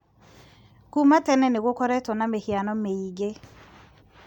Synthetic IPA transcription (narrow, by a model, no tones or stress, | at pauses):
kumatɛnɛneɣokɔɾɛtɔnamehjanɔmeiɣe